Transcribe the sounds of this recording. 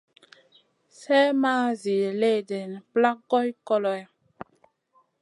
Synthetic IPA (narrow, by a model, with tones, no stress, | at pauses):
sɛ˦maː˦zi˨le˦˨de˨n˨pla˦kɡɔ˦jkɔ˦lɔ˨ɛ˨